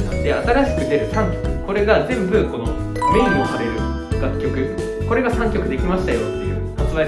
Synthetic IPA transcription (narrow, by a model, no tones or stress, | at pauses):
ãnd̪e̞at̪aɾaɕi̥kɯ̟d̪e̞ɾɯ̟sãŋkʲo̞̥kɯ̟ko̞ɾe̞ɡazẽ̞mbɯ̟ko̞no̰ | me̞ĩŋo̞saɾe̞ɾɯ̟ | ɡ̥akʲːo̞kɯ̟ | ko̞ɾe̞ɡasãŋkʲo̞kɯ̟d̪e̞kʲimaɕi̥t̪ajo̞t̪ːe̞jɯ̟ː | ot͡sɨβa